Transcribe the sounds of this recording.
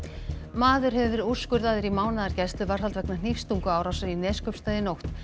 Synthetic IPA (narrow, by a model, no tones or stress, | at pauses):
maːðʏɾ̥ɦɛvvɪɾu̥skʏɾðaːðɪɾimaːwnaðaɾcɛst̪ʏvar̥halt̪vɛknan̥ifst̪uŋkʏaːwɾawsaɾinɛːskœpst̪aːjðɪnowxt̪